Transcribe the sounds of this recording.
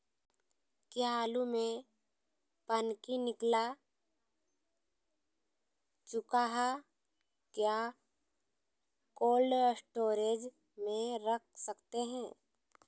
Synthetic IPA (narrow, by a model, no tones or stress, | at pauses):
kjaaːlumẽ | pənkinɪkla | t͡ʃʊkaɦɛ | kja | koːlsʈoːɾeːd͡ʒ | mẽɾək̚ʰsəkt̪eɦɛ̃ː